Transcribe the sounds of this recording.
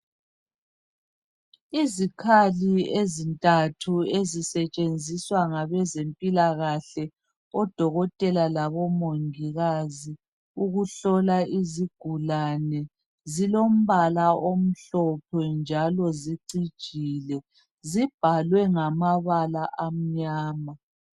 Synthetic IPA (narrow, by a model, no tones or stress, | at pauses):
izikʰaliezintʼatʰuezisɛt͡ʃʼend͡zʱiswaŋaβɛzempʼilaɣaɬɛ | ɔd̥ʱɔɣɔtʼɛlalaβɔmoŋiɣazi | uɣuɬɔlaʔiziɡ̥ʱulanɛ | zilom̩βalaʔom̩ɬɔpʰɛnd͡ʒʱalɔziǀid̥ʒ̥ʱilɛ | zib̥ʱalwɛŋamaβalaʔam̩ɲaːma